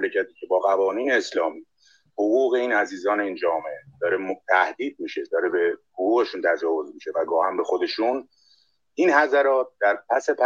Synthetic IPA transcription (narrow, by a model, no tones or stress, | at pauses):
lecʰæt̪ʰiːcʰe̞bɒːɣævɒːniːneːslɒːmi | hoɣuːɣe̞iːnæziːzɒːneind͡ʒɒːmeed̪̥ɒːɾemt̪ʰæhd̪iːd̪̚miːʃe̞d̪ɒːɾebehoɣuːɣe̞ʃuːnt̪ʰæd͡ʒɒːvo̞zmiʃe̞væɡɒːhæmbe̞xod̪e̞ʃun | ʔinhæzæɾɒːt̪̚d̪̥æɾpʰæse̞p